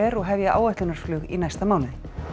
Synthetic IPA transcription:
ɛɾɔɣɦɛvjaʔa̰ːwɛjht̪lʏnasflʏːɣḭnajst̪amaːwnɪn

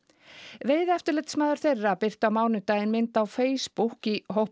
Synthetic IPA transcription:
veːjðɛft̪ʏɾlɛt̪smaːðʏɾ̥θejrːapɪr̥t̪awmaːwnʏt̪aːjɪnmɪnt̪awfeːjspuhkiɦowh

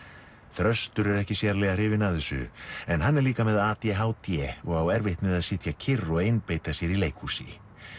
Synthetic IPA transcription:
θɾœst̪ʏɾɛɾɛhcɪsjɛɾlɛɣar̥ɪːvɪnaðɪsʏ̰ɛnɦanːɛɾliːkamɛðaaːt̪jɛɦawt̪jɛɔɣawɛɾvɪht̪nmɪðaðsɪt̪jacʰɪrːɔɣejnpejt̪asjɛɾileːjkʰusɪ̰

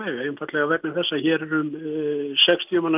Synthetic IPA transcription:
ɛɣejnfat̪lɛɣavɛknɪmθɛsːaçɛːɾɛɾʏmsɛkst̪ʰjʏman

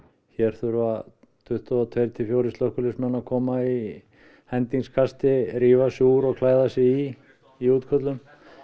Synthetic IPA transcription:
çɛɾ̥θʏɾva | t̪ʰʏht̪aɔt̪ʰvejɾt̪ʰɪfjowɾɪst̪lœhkʏlɪsmɛnakʰɔːmai | hɛnt̪iŋskʰast̪ɪɾiːvasɪuɾɔɣkʰlaːjðasɛi | iuːt̪kʰœt̪lʏm

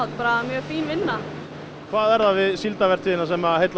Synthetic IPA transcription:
awt̪̚paːɾamjœːɣfiːnvɪnːa | kʰvaːðɛɾðavɪðsilt̪avɛrt̪ʰɪðɪnːasɛmahejt̪l

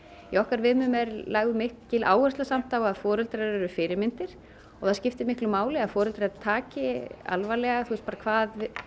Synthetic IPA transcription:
iɔhkaɾvɪðmʏmɛɾlaːɣðʏmɪhkcɪlʔa̰ːwɣɛrst̪asam̥t̪awaðfɔːɾʏlt̪ɾaɛɾʏfɪɾɪɾmɪnt̪ɪɾ̥ | ɔɣθaðscɪft̪ɪmɪhklʏmaːwlɪaðfɔːɾʏlt̪ɾat̪ʰaːcɪa̰lvalɛɣaθust̪paːɾakʰvaːð

